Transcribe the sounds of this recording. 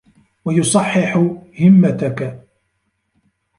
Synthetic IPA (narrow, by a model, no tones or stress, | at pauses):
wajʊsˤɑħːɪħhɪmːat̪ak